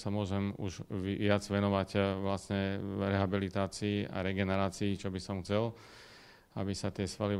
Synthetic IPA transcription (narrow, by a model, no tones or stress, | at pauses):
samʊɔʒɛmṵʒɪad͡zʋɛnɔʋacʋlasɲɛɾɛɦabilit̪aːt͡siːa̰ɾɛɡɛnɛɾaːt͡siːt͡ʃɔbisɔmxt͡sɛl | abisat̪ɪɛsʋali